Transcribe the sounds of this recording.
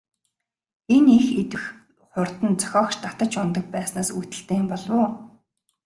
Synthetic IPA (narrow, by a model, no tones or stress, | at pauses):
enexet̪ɘ̆x | χʊrt̪ə̆nt͡sœ̥xʲɔːkʃt̪at̪ə̆t͡ɕʊnt̪ə̆k̚pæːsnaːsuːt̪ɘ̆ɬt̪eːmpɔɮwʊː